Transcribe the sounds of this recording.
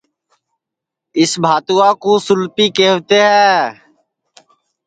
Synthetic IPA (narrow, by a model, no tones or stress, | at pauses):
ɪsbʱaːt̪uːãːkuːsʊlpiːkeːʋt̪eːɦɛː